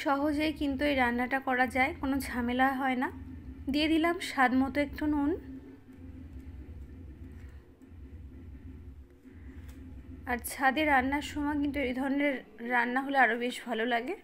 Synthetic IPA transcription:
ʃɔɦod͡ʑejkint̪uejɾanːaʈakɔɾad͡ʑaekonod͡ʑʱamelaɦɔenad̪ied̪ilamʃad̪mɔt̪oekʈʰonun | aɾt͡ɕʰad̪eɾanːaɾʃɔmɔek̬int̪uejd̪ʱɔɾoneɾːanːaɦoleaɾobeʃbʱalolaɡe

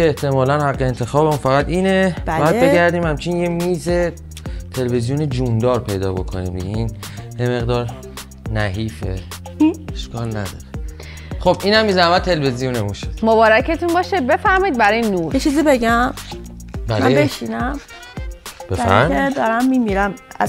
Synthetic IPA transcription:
eeht̪ʰemɒːlænhæqːeent̪ʰe̞xɒːbemunfæɣæt̪iːnebææd̪beæɾd̪iːmhæmt͡ʃʰinjemiːze | t̪ʰe̞levezijuned͡ʒund̪ɒːɾpʰe̞jd̪ɒːbo̞kʰo̰nḭːmd̪ḭɡeiːn | jeme̞ɣd̪ɒːɾ | næɦiːfḛ | eʃkɒːlnæd̪ɒ̰ɾe | xobʔiːnæmːiːzænmæd̪̚t̪ʰe̞levezijunemuʃod̪̥mobɒːɾæcet̪unbɒːʃebe̞fæɾmɒid̪bæɾɒjenuːɾjet͡ʃʰiːzibeɟæm | bælmæbeʃinæm | b̥efæɾmed̪ɒɾæmːimiɾæmæ̰

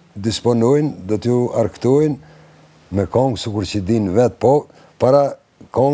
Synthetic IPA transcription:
d̪ispɔnujnd̪ɔt̪juaɾkt̪ujn | mɛkɔŋɡsikuɾt͡ɕəd̪invɛt̪̚pɔ | paɾa | kɔ

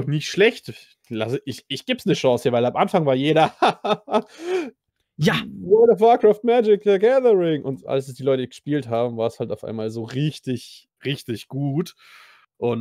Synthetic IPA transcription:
ɔχnɪçtʃlɛçt | lasəʔɪçɪçɡ̥eːpsnəʃɔ̃ːshiːɐvaɪlamʔanfaŋvaːɐjeːɾɐ | janɔdəfakʁ̥aːft̚mɛd͡ʒɪk̚təɡɛðəʁɪŋʔʊntʔa̰lssd̥iːlɔʏtəɡ̥əʃpiːlthaːbm̩vaːɐshaltaʊfʔa̰ɪnmaːlzoːʁɪçtɪç | ʁɪçtɪçɡ̥uːt | ʔʊn

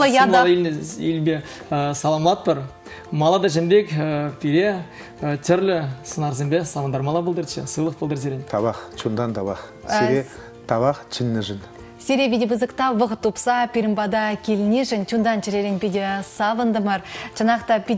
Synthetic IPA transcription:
jɑɑlˠelneilbe | əsɑlˠɑmlˠɑt̪̚pəɾ | mɑlˠɑd̪ɑʒɪmbe̞kpʲʰeɾe | t̪ʰʏɾlɪsənɑɾs̬embesɑvənd̪ɑɾmɑlˠɑbəlˠd̪əɾʃə̰səjlˠəq̚bəlˠd̪əɾs̬eɾʲent̪ʰɑβɑqt͡ʃʰund̪ɑnt̪ʰɑbɑqseɾe | t̪ʰɑβɑqt͡ʃʰɪnːɪʒən | seɾebʲed̪ʲebəzəqt̪ɑvəqət̪ːupsɑpʲiɾʲɪmbɑd̪ɑkʲʰelɪneʒɪnt̪ʲʰund̪ɑnt͡ʃɪɾeɾenpʲed̪ʲesɑvənd̪əməɾʒ̥ɑnɑqt̪ɑpʲi

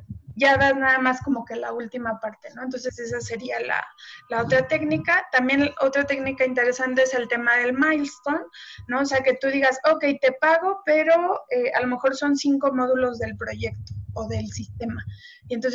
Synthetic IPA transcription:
ʝaðaznaðamasko̞mo̞ke̞la̰ult̪imapaɾt̪e̞no̞ent̪o̞nse̞se̞s̬ase̞ɾiala̰lao̞t̪ɾat̪e̞knikat̪ambje̞nʔo̞t̪ɾat̪e̞knikaint̪e̞ɾe̞sant̪e̞ese̞lt̪e̞mað̞e̞lmajlst̪o̞nːo̞ːse̞ake̞t̪uðiɣaso̞ke̞jt̪e̞paɣo̞pe̞ɾo̞ea̰lo̞me̞xo̞ɾso̞nsiŋko̞mo̞ðulo̞zðe̞lpɾo̞ʝe̞kt̪o̥ːðe̞lsist̪e̞ma | ient̪o̞ns

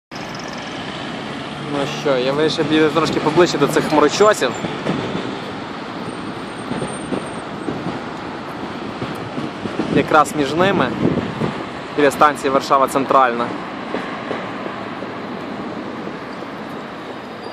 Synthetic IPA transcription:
nuʃt͡ʃɔjaʋɪɾʲiʃɛbʲijt̪ɾɔʃkʲɪpɔblˠɪʃt͡ʃɪd̪ɔsɪxmɔɾɔt͡ʃɔsʲiw | jɐkɾɑsmʲiʒnɪmɪ | d̪ʲlʲɛst̪ɑnʲt͡sʲijiʋɐrʃɑʋɐt̪sɛnt̪ɾɑlʲnɐ

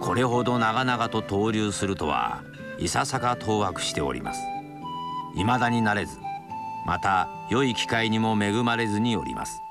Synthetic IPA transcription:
kʰo̞ɾe̞ɦo̞d̪o̞naɡanaɡat̪o̞t̪o̞ːɾʲɨːsɨɾɯt̪o̞̰βa̰ | isasakat̪ʰo̞ːβakɯ̟̥ɕi̥t̪e̞o̰ɾʲḭma̰sɨ̥ | imad̪aɲ̟inaɾe̞zɨmat̪a | jo̞ikʲi̥kaiɲ̟imo̞me̞ɡɯ̟maɾe̞zɨɲ̟ijo̞̰ɾʲḭmʔa̰sɨ̥

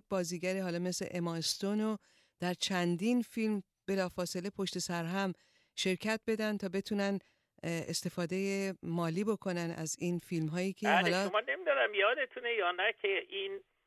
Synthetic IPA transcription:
bɒːziːɟæɾiɦɒːlɒːme̞sle̞̰ʔemɒst̪ono | d̪̥æɾt͡ʃʰænd̪infilm | b̥e̞lɒːfɒːse̞lepʰo̞ʃt̪e̞sæɾɦæm | ʃe̞ɾcʰæt̪̚be̞d̪ænt̪ʰɒːbe̞t̪ʰuːnæn | ḛst̪e̞fɒːd̪ejemɒːliːbo̞kʰo̞nænæ̰ziːnfilmɦɒːjiːcʰehɒlɒomɒːnemid̪ɒd̪æmjɒːd̪et̪ʰunejɒːnæcʰeʔin

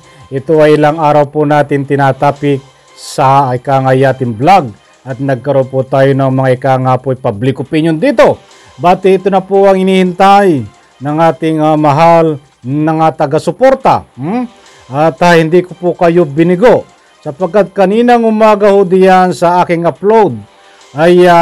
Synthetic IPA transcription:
ʔɪt̪oɐjɪlaŋaːɾɐwpʊnaːt̪ɪŋt̪ɪnat̪aːpɪk̚ | sɐɪkaːŋajaːt̪ɪŋblaɡ̚ | ʔɐt̪nɐɡ̚kɐɾonpʊt̪aːjonɐŋmɐŋaɪkaŋapojpablɪkʊpinjond̪iːt̪o̞ | baːt̪ɪɪt̪onɐpoɐŋɪnihɪnt̪aj | nɐŋaːt̪ɪŋamɐɦal | nɐŋat̪ɐɡasʊpoɾt̪a̰ | ʔɐt̪ahɪnd̪ikopokɐjobɪnɪɡo | sɐpɐɡ̚kːat̪̚kɐniːnɐŋʊmaːɡɐhod̪ɪjansɐaːkɪŋɐplowd̪̚ | ʔɐja

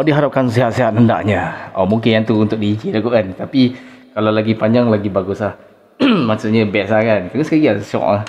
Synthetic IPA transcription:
ɔdiɦaɾap̚kansiɦat̪siɦat̪̚nənda̰ʔɲaɔ̰muŋkɪnjaŋt̪uːnt̪ʊk̚diikilaɡuʔkant̪api | kalawlaɡipaɲd͡ʒaŋlaɡibaɡuslah | maʔsuʔɲəbiaʔsakankaɡəskaɡiasɔ̰ʔah

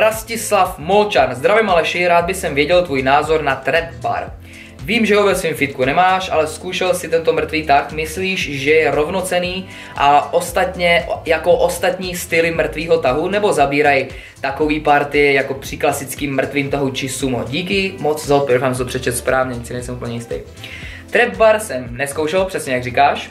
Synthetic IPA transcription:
ɾascɪslafmolt͡ʃanzd̪ɾavɛmalɛʃɪɾaːd̪̚bɪsɛmvjɛɟɛlt̪vuːjnaːzo̞ɾnat̪ɾɛp̪̚ba̰ɾ | viːmʒɛɦovɛsviːmfɪt̪̚kunɛmaːʃʔa̰lɛskuːʃɛlsɪt̪ɛnt̪o̞mr̩t̪viːt̪axmɪsliːʃʒɛjɛɾo̞vnot͡sɛniː | ʔaʔost̪at̪ɲɛjakoʔost̪at̪ɲiːst̪ɪlɪmr̩t̪viːɦo̞t̪aɦunɛbo̞zabiːɾaj | t̪akoviːpaɾt̪ɪɛjako̞pr̝̥ɪklasɪt͡skiːmːr̩t̪viːmt̪aɦut͡ʃɪsumo̰ɟiːkɪmot͡szaot̪pɛɾfamst̪opr̥ɛt͡ʃɛt̪spɾaːvɲɛɲɪt͡sɪnɛjsɛmupl̩ɲɛjɪst̪ɛ̰j | t̪ɾɛb̚baɾsɛmnɛskowʃɛlpr̥ɛsɲɛjaɡrikaːʃ

